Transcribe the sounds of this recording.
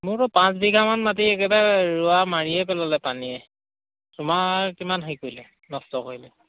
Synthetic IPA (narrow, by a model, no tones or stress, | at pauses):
mʊtɔpãsbiɡʱamanmat̬iɛkɛbaɹʊamaɹiɛpɛlalɛpaniɛ | sʊmakimanɦajkojlɛ | nɔstɔkoilɛ